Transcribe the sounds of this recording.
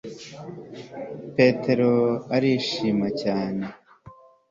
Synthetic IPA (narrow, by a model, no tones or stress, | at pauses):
pe̞tʰe̞ɾo̞aɾiʃiːmacaːne̞